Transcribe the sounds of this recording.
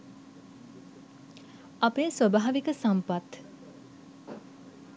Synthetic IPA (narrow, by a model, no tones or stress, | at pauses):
apesobaːʋikəsampat̪